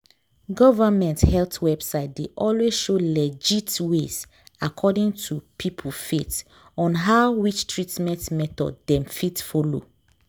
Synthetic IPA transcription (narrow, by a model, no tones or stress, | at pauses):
ɡɔvamɛ̃nthɛltʰwɛbsaɪt̚deʔɔlwezʃolɛd͡ʒitwez | akʰɔdĩŋtʰupʰipʰulfet | ɔ̃nɦaʊwit͡ʃtʰɹitmɛ̃ntmɛtɔ̰dːɛ̃mfitfɔlo̰